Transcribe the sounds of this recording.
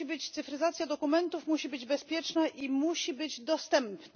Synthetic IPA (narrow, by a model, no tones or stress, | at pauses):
ibɘt͡ɕt̪sɘfɾɘzat̪sʲjad̪ɔkumɛnt̪ufmuɕibɘd͡ʑbɛspʲjɛt͡ʂnaʔimuɕibɘd͡ʑd̪ɔst̪ɛmpna